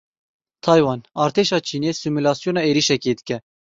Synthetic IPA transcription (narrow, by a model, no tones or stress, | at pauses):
t̪ʰɑjwɑnɑːɾt̪ʰeʃɑːt͡ʃʰiːnesimulɑsjonɑeɾiʃɛked̪ɨkɛ